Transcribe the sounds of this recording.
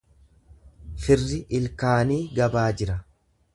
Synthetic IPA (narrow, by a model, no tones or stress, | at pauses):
fɪrːɪʔɪlkaːniːɡɐbaːd͡ʒɪɾɐ